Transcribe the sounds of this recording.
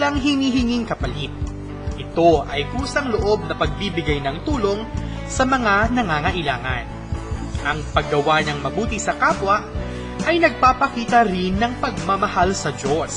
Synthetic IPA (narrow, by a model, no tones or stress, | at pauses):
lɐŋɦɪniːɦɪŋiŋkɐpɐlit̪̚ | ʔɪt̪o̞ɐjkuːsɐŋloʔo̞b̚nɐpɐɡ̚bibɪɡajnɐŋt̪uːlo̞ŋ | sɐmɐŋanɐŋaːŋɐʔɪlaːŋɐ̰n | ʔɐŋpɐɡːɐwanɐŋmɐbuːt̪isɐkaːpwɐʔ | ʔɐjnɐɡ̚paːpɐkiːt̪ɐɾɪnːɐŋpɐɡ̚mɐmɐhalsɐd͡ʒo̞s